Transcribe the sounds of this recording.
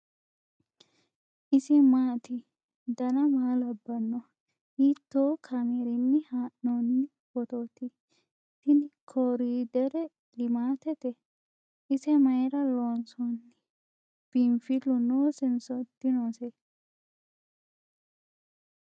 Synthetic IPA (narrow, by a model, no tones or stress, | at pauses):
ʔɪsɪmaːt̪ɪ | d̪ɐnɐmaːlɐbːɐnːɔ | hiːt̪ːoːkʰɐmeɾɪnːɪhaːʔnonːɪ | b̥ɔt̪oːt̪ɪ | t̪ɪnɪkʰoːɾiːd̪ɛɾɛ | lɪmaːt̪ɛt̪ɛ | ɪsɛmɐjɾɐloːnsɔnːɪ | b̥ɪmfɪlʊnoːsɪnsɔd̪ːɪnoːsɛ